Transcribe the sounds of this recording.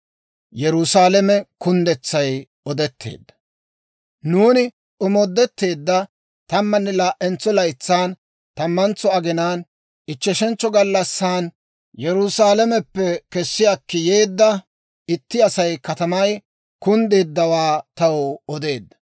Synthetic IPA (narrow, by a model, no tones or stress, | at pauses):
jɛɾʊsaːlɛmɛkʊnd̪ɛt͡sːɐj | ɔd̪ɛt̪ʰːḛːd̪ːɐ̥ | nuːnɪ | ʔʊmɔd̪ːɛt̪ːe̞ːd̪ːɐ | t̪ɐmːɐnːɛlaːʔːɛnt͡sːɔlɐjt͡sːaːn | t̪ɐmːɐnt͡sːɔɐɡɪnaːn | ʔɪt͡ʃːɛʃɛnt͡sːɔɡɐlːɐsːaːn | jɛɾʊsaːlɛmɛpːɛkɛsːɪjakːɪjeːd̪ːɐ | ɪt̪ːɪɐsɐjkɐt̪ɐmɐj | kʊnd̪eːd̪ːɐwaːt̪ɐwɔɔd̪e̞ːd̪ːɐ̥